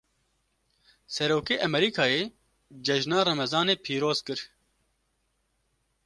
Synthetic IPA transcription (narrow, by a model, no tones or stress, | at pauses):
sɛɾoːkeːʔɐmɛɾiːkʰaːjeː | d͡ʒɛʒnaːɾɐmɛzɑːneːpʰiːɾoːz̥kɨɾ